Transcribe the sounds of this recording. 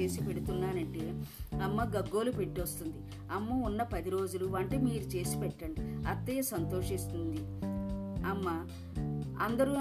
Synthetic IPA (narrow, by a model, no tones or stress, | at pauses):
e̞ːsipeɽut̪unːaːnɐɳʈeːɐmːɐɡɐɡːo̞ːlupeʈːiɐst̪und̪i | ɐmːɐunːɐpɐd̪iɾo̞ːd͡ʒuluʋɐɳʈemiːɾut͡ʃe̞ːsi̥pɛʈːɐɳɖiɐt̪ːɐjɐsɐnt̪o̞ːʂist̪und̪i | ɐmːɐ | ɐnd̪ɐɾu